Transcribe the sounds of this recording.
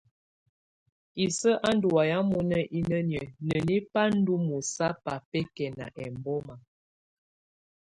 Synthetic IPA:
i˨sə˦ʔa˦n˦du˨wa˨ja˦mu˦nə˦ʔi˦nə˦njə˨nə˨ni˦pa˦n̩˦du˦mu˨sa˦pa˨pɛ˦kɛ˨na̰˨ʔɛ˨m˨bɔ˦ma˨

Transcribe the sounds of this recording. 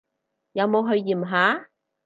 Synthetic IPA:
jɐ˨˧wmo˨˧wɦɵ˧ɥjiː˨˩mɦaː˨˥

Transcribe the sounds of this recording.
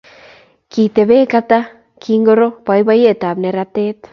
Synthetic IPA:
ki˨t̪e˨βe˦ka˧t̪a˦ | kʰi˧ŋɡo˧ɾo˦pa˧jba˧je˦ʔt̪a˨bne˧ɾa˧t̪e˦t̪

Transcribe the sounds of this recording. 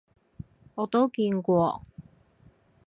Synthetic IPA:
ɔː˨˥t̪o˥wkiː˧nkʷɔː˧

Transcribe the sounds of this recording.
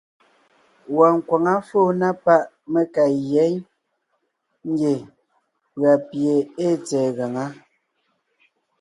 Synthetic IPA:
wa˨ŋ̩˨kwa˨ŋa˦fo˦˨na˦pa˦ʔ | me˦ka˨jɛ˨˦ɲ | ŋ˦ɡe˨ | pɣa˨pje˨e˦t͡sɛː˨ɣa˨ŋa˦

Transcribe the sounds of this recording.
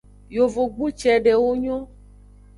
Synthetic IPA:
jo˨vo˨ɡ͡bu˦t͡ʃɛ˨ɖe˨wo˦ɲɔ̃˦

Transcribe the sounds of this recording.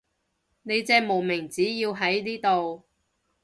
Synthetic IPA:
ne˨˧jt͡sɛː˧mo˨˩wmɪ˨˩ŋt͡siː˨˥jiː˧wɦɐ˨˥jniː˥t̪o˨w

